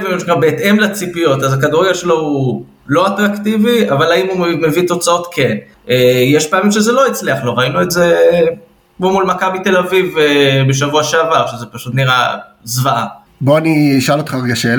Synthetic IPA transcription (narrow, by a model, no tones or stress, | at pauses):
vemʃukabeːt̪e̞mlat͡sipio̞t̪azakaduʁiaʃelo̞u | lo̞at̪ʁakt̪iviavalaimume̞vit̪o̞t͡sao̞t̪kʰe̞n | ejeʃpeamimʃezelo̞it͡sliaχlo̞ʁainueze | momulmakabit̪e̞lavivebeʃavuaʃeavaʁʃezepaʃut̪niʁa | zvaʔa | boaniiʃalot̪χaʁɡaʃel